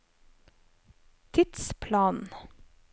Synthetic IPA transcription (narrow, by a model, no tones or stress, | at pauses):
t̪ʰɪt̪spʰlɑːnn̩